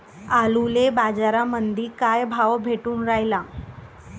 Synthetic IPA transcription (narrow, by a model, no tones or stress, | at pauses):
alulebad͡zaɾamənd̪ʱiːkajbʱaʋbʱeʈuːnɾajla